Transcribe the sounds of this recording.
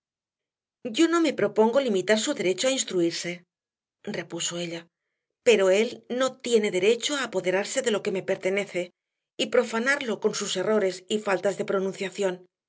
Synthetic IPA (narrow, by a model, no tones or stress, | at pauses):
ɟ͡ʝo̞no̞me̞pɾo̞po̞ŋɡo̞limit̪aɾsuðe̞ɾe̞t͡ʃoainst̪ɾuiɾse̞ | re̞puso̞e̞ʎa | pe̞ɾo̞e̞lno̞t̪je̞ne̞ðe̞ɾe̞t͡ʃoaːpo̞ðe̞ɾaɾse̞ðe̞lo̞ke̞me̞pe̞ɾt̪e̞ne̞θe̞ | ipɾo̞fanaɾlo̞ko̞nsuse̞ro̞ɾe̞sifalt̪azðe̞pɾo̞nũnθjaθjo̞n